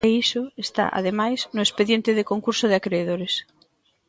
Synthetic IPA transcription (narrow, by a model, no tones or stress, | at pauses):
eisoest̪a̰ʔa̰ðemajznoespeðjent̪eðekoŋkuɾsoð̞eakɾeːðoɾes